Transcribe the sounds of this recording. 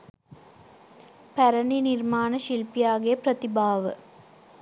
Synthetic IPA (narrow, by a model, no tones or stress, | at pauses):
pæɾɐninirmaːnɐʃilpijaːɡijɐprɐt̪ibaːʋə̰